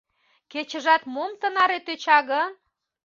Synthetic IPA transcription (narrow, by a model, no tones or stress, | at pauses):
ket͡ɕə̆ʒɑt̪momt̪ə̆nɑɾet̪øt͡ɕɑɣən